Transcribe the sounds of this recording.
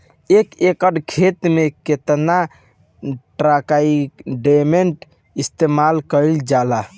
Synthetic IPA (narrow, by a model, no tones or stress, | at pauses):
ekekəɖkʰet̪meket̪na | ʈɾakaiɖemeɳʈ | ist̪emalkəild͡ʒala